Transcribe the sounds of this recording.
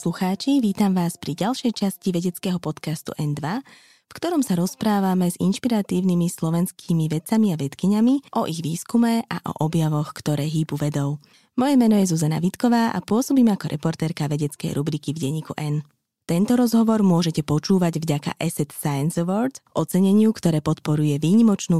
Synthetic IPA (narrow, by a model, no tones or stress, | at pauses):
sluxaːt͡ʃiʋiːt̪amʋaːspɾiɟalʃɛjt͡ʃasciʋɛɟɛt͡skɛːɦɔpɔt̪kast̪ṵʔɛnd̪ʋa | fkt̪ɔɾɔmsaɾɔspɾaːʋamɛzḭnʃpiɾat̪iːʊnimislɔʋɛnskʰimiʋɛt͡samiaʋɛt̪kiɲamiʔɔʔiɣʋiːskumɛʔa̰ʔɔ̰ʔɔbjaʋɔxkt̪ɔɾɛːɦiːbuʋɛd̪ɔʊ | mɔjɛmɛnɔjɛzuzana̰ʋit̪kɔʋaːʔa̰pʊɔsɔbiːmɛakɔɾʔɛpɔɾt̪ɛːɾkaʋɛɟɛt͡skɛ̰jɾubɾikivɟɛɲːiːkuʔɛn | t̪ɛnt̪ɔɾɔzɦɔʋɔɾmʊɔʒɛcɛpɔt͡ʃuːʋaɟvɟaka̰ʔɛsɛt̪sajɛnzɛʋɔɾd̪ʔɔt͡sɛɲɛɲɪukt̪ɔɾɛːpɔt̪pɔɾujɛʋiːɲimɔt͡ʃnuː